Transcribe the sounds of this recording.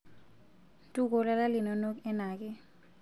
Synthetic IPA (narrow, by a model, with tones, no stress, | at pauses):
ntʼu˦k̬ɔ˨la˦la˦li˨nɔ˨nɔ˦k̬ɛ˦naː˨k̬ɛ˦